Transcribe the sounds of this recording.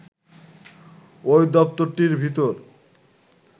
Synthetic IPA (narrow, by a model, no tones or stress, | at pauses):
ojd̪ɔp̚t̪oɾʈiɾbʱit̪oɾ